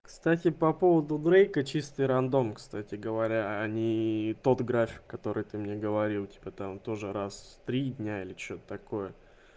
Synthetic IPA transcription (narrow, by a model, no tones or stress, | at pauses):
kst̪atʲɪpɐpo̞vəd̪ʊd̪ɾejkət͡ɕist̪ɨjɾɐnd̪o̞mkst̪atʲɪɡəvɐɾʲaɐnʲit̪o̞t̪ɡɾafʲɪ̥kːɐt̪o̞ɾɨjt̪ɨmnʲe̞ɡəvɐɾʲilˠtʲi̥pət̪amt̪o̞ʐɨɾast̪ɾʲid̪ʲnʲailʲɪt͡ɕot̪ət̪ɐko̞jə